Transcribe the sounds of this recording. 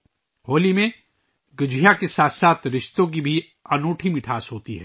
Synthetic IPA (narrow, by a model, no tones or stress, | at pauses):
ɦoːlimẽ | ɡɐd͡ʒʱijakesaːt̪ʰsaːt̪ʰɾɪʃt̪õk̬ibʱi | ɐnoːʈʰimɪʈʰaːsɦoːt̪iɦɛ̰ː